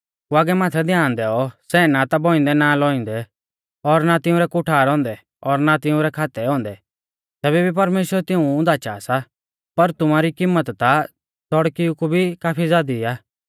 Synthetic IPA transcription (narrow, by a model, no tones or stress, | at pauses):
kuaːɡɛmaːt̪ʰɛd̪ʱjaːnd̪ɛːɔsɛːnat̪abɔːɪ̃nd̪ɛnalɔĩnd̪ɛ | ɔɾnat̪ɪũɾɛkʊʈʰaːɾɔ̃ːnd̪ɛ | ɔɾnat̪ɪʊ̃ɾɛkʰaːt̪ɛɔ̃ːnd̪ɛ | t̪ɛːβɛbʱip̬ɐɾmeːʃwəɾt̪ɪũʊ̃nd̪at͡ʃa̰ːsa | pɐɾt̪ʊmaːɾikɪmːət̪t̪a | sɔɽkiukubʱikaːpʰid͡zaːd̪iaː